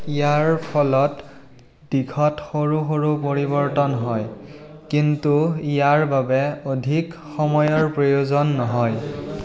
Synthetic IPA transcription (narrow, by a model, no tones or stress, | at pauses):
ijaɹpʰɔlɔt | d̥ikʰɔtxoɹuxoɹup̬oɹiβɔɹtɔnɦɔj | kintuijaɹbabɛodʱik | xɔmɔjɔɹpɹojozɔnːɔɦɔj